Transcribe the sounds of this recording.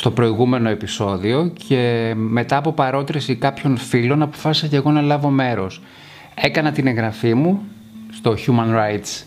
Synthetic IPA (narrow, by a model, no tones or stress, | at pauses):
st̪o̞pɾo̞iɣume̞no̞e̞piso̞ðio̞ce̞me̞t̪ɐːpo̞pɐɾo̞t̪ɾisikɐpço̞nfilo̞nɐpo̞̥fɐsisɐce̞ɣo̞nɐlɐvo̞me̞ɾo̞s | e̞kɐnɐt̪ine̞ŋɣɾɐfimu | st̪o̞çumɐnɾajt̪s